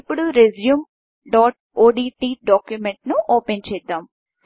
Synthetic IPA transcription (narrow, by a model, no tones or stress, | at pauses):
pːuɽuɾezjuːm | ɖaːʈ̚ | oːɖiːʈiːɖaːkjumeɳʈnuʔoːpent͡ʃɛːjd̪ːaːm